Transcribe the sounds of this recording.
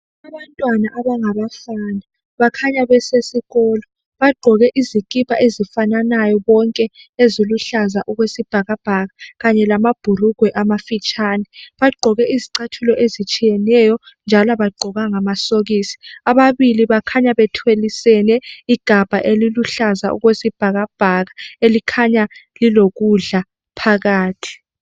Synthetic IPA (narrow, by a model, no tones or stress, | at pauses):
aβantʼwanaʔaβaŋaβafana | βakʰaɲaβɛsesiɣɔːlɔ | βaɡ͡ǃʱɔɣɛʔizikʼipʰʼaʔezifananajɔβɔŋkʼɛ | eziluɬazaʔuɣwesib̥ʱaɣab̥ʱaɣaɣaɲɛlamab̥ʱuruɡ̥ʱwɛʔamafit͡ʃʼanɛɓaɡ͡ǃʱɔɣɛiziǀatʰulɔʔezit͡ʃʼijɛnɛjɔ | nd͡ʒʱalaβaɡ͡ǃʱɔɣaŋamasoɣisi̥aɓaβiliβakʰaɲaɓɛtʰwelisɛnɛiɡ̥ʱab̥ʱa̰ʔeliluɬaza̰ʔṵɣwesib̥ʱaɣab̥ʱaɣaelikʰaɲaliloɣ̬uɮa | pʰaɣaːtʰi̥